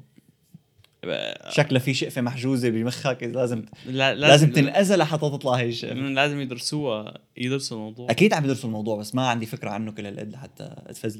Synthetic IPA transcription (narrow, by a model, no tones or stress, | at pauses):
ʃaklafiʃɪʔfemaħʒuːzebɪjmɪxhækʔlaːzɪmːlaːlaːzɪmt̪ɪnnʔazalaħɑt̪ːˤɑt̪t̪ˤlɑheʃɪ̰ʔflaːzɪmjɪd̪ɾsuː | jɪd̪ɾsulmɑwd̪ˤuːʔakiːd̪ʕambɪd̪ɾsulmɑwd̪ˤuːʕbasːmaʕand̪ifɪkɾaʕa̰nːʊkɪlːalʔɪ̰d̪ːħat̪ːa̰ʔt̪faz